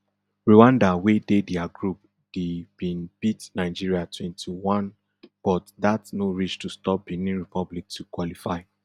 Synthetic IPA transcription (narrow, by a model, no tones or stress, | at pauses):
ɹuwãndawedediaɡɹup̚ | d̥eb̥ĩnb̥itnaɪd͡ʒiɹiatʰwɛ̃ntʰiwɔ̃n | b̥ɔtdatnoɹit͡ʃtustɔp̚binĩnɹipʰɔblik̚tukwɔlifaɪ